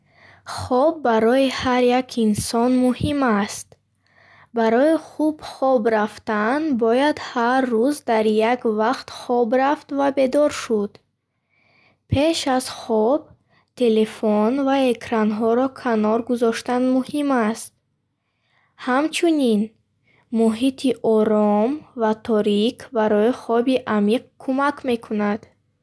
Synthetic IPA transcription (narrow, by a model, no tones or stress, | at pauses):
χɔbːaɾɔihaɾjakʰinsɔnmuhimast̪ | baɾɔiχubχɔbɾaft̪anbɔjad̪haɾːuzd̪aɾjaɡvaqt̪χɔbɾaft̪vabe̞d̪ɔɾʃud̪ | pʰe̞ʃazχɔb | t̪ʰe̞le̞fɔnvae̞kʰɾanɦɔɾɔkʰanɔɾɡuzɔʃt̪anmuhimast̪̚ | hamt͡ʃʰunin | muɦit̪ʰiʔɔɾɔmvat̪ʰɔɾikʰbaɾɔiχɔbiʔamiq̚kʰumakʰme̞kʰunad̪̥